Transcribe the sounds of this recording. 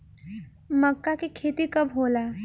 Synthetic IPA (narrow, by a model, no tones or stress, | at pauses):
məkːakekʰeːt̪ikəbɦola